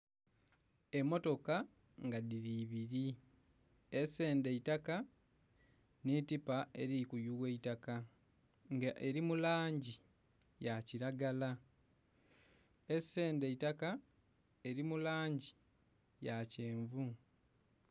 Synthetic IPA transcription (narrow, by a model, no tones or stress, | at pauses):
e̞mːo̞to̞ka | ŋɡaðiɾiβiɾi | ese̞ːnde̞itaka | nitipae̞̰ɾikujuwe̞itaka | ŋɡaʔeɾimulaːɲɟi | jaciɾaɡala | e̞se̞ːnde̞itaka | e̞ɾimulaːɲɟi | jace̞ːɱvu